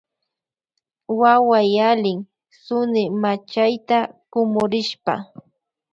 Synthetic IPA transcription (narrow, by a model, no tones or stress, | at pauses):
wawajalɪŋ | sʊnɪmat͡ʃajt̪akʊmʊɾɪʃpa̰